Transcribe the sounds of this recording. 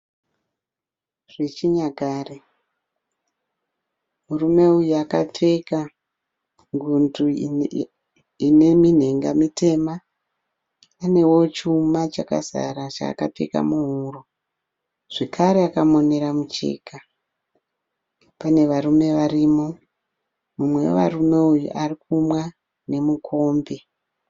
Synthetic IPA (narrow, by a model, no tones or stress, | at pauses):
ʐ̥et͡ʃiɲaɡʱaːre | murume̞ujuaka̰p͡fe̞ka | ŋɡundu | inemin̤e̞ŋɡa̰mitʰe̞ma | ne̞wo̞t͡ʃumat͡ʃaka̰sa̰ɾat͡ʃa̰ːkap͡fe̞̰ka̰muɦuro | ʐ̥e̞kʰaɾeakamo̞ne̞ɾamut͡ʃe̞̰ːka | pane̞ʋarume̞ʋariːmo | mumwe̞wo̰ʋa̰rume̞ujṵʔarikʰumwa | ne̞mukʰo̞ːmbe